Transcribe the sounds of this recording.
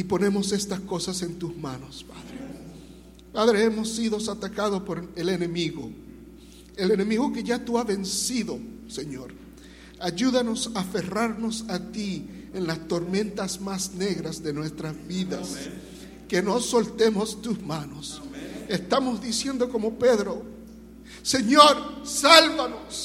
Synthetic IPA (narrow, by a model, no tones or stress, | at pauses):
ipo̞ne̞mo̞se̞st̪asko̞sase̞nt̪uzmano̞spaðɾe | paðɾe̞emo̞sːiðo̞sat̪akaðospo̞ɾe̞le̞ne̞miɣo | elene̞miɣoke̞ʝat̪uaβe̞nsiðo̞ | se̞ɲo̞ɾ | aʝuðano̞safe̞raɾno̞sat̪ienlast̪o̞ɾmẽ̞nt̪asmasne̞ɣɾazðe̞nwe̞st̪ɾazβiðas | ke̞noso̞lt̪e̞mo̞st̪usmanosest̪amo̞zðisje̞nd̪o̞ko̞mo̞pe̞ðɾo̞ | se̞ɲo̞ɾsalβanos